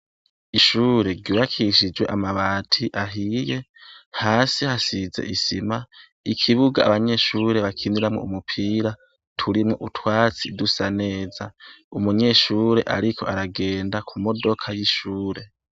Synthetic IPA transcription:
iʃuːɾe̞ɾɟuːβakʰiʃid͡ʒwe̞̰ʔamaβaːtʰiʔaɦije̞haːsihasizḛʔisima | ikʰiβuɡa̰aβaɲe̞ʃuːɾe̞βakʰiniɾamŋo̰umupʰiːɾa | tʰuɾimŋoʔutwaːt͡sidusane̞ːzaumuɲe̞ʃuːɾe̞ʔa̰ɾikʰo̞aɾaɡe̞ːndakʰumo̞do̞kʰajiʃuːɾe̞

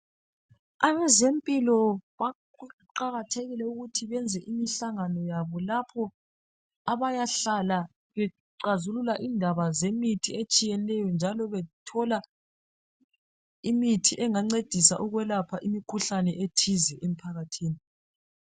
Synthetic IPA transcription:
aβɛzempʼilɔβa | ǃaɣatʰeɣilɛuɣutʰiβɛnd͡zʱɛʔimiɬaŋanɔjaβɔlapʰɔ | aβajaɬala | βɛ | ǀazululaʔindʱaβazemitʰiet͡ʃʼijɛlɛjɔnd͡ʒʱalɔβɛtʰɔla | imitʰiʔɛŋaŋ͡ǀed̥ʱisaʔuɣwɛlapʰaʔimikʰuɬanɛʔetʰizɛʔem̩pʰaɣatʰiːni

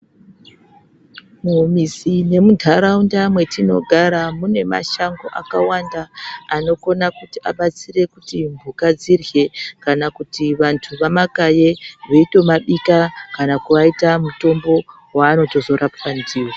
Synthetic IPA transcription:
mumisine̞mudʱaɾaundamwe̞tino̞̰ɡʱaɾamune̞ma̰ʃaŋɡo̞̰ʔa̰kawandaːno̞ko̞nakutiaɓat͡sire̞kutimbʱukad͡zirje̞kanakutiʋantʰuʋamakajeʋeito̞maɓikakanakuʋaitamuto̞mbo̞ | waːno̞to̞zo̞rʔapanziːwo

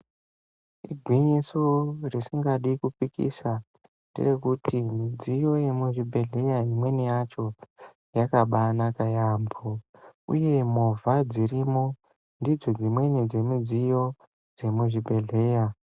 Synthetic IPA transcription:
ḭɡʱwiɲisorisiŋɡaɗikupikḭsa | ndḭre̞kutʰimid͡zijo̞je̞muʐibʱe̞ɮe̞jaimwe̞nijat͡ʃo̞ | jakaɓanakajamboṵje̞movʱad͡ziɾimo̞ | ndid͡zo̞ɡimwe̞nid͡ze̞mid͡zijo̞ | d͡ze̞muʐibʱe̞ɮe̞ja

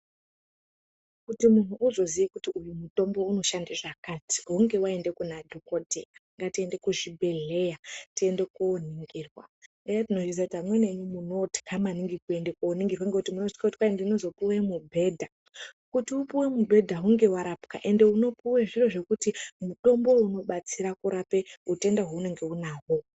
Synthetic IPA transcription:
kutimun̤uʔuzo̞ziʋekutiujumuto̞mbo̞uno̞ʃandiʐakati̥ɦuŋɡe̞wae̞nde̞kunadʱokodʱeŋɡatie̞nde̞kuʐibʱe̞ɮe̞jatie̞nde̞kooniŋɡiːrwa̰ | ejatino̞ʐis̬atamwe̞ne̞ɲumuno̞ti̥kʰamaniŋɡikue̞nde̞kooniŋɡirwaŋɡekutimunoʐikakuti̥kwaendinozo̞puwe̞mubʱe̞ːdʱa | kutiupuwe̞mubʱe̞dʱaɦuŋɡe̞waɾapkaʔe̞nde̞uno̞puweʐiro̞ʐe̞kutimuɗo̞mbo̞uno̞ɓat͡siɾakuɾape̞ute̞ndaɦoune̞ŋɡe̞unaɦo

